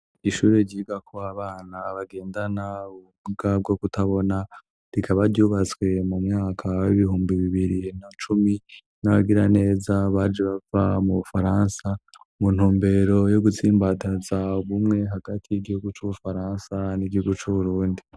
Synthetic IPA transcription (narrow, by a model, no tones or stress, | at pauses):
iʃuːɾe̞ɟiːɡakuaβaːnaβaɡe̞ːndanauβumuɡab̚ɡo̞kutaβo̞na | ɾikʰaβaɾɟuːβat͡swe̞mumŋaːkʰawiβihuːmbiβiβiɾinat͡ʃumi | naβaɡiɾane̞ːzaβaːd͡ʒeβavamuβufaɾaːnsa | mun̥huːmbe̞ɾo̞jo̞ɡut͡siːmbatazaβumŋe̞ɦaɡ̥atʰijiɡihuɡut͡ʃuβufaɾaːnsaniɟihuɡut͡ʃuβuɾuːndi